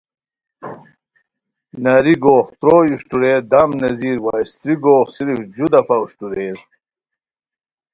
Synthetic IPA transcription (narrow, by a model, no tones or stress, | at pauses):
nɐɾiɡoːχt̪ɾoːjuɕʈuɾeːɾd̪ɐmnɐziːɾwajst̪ɾiɡoːχsiɾfd͡ʑud̪ɐfɐuɕʈuɾeːɾ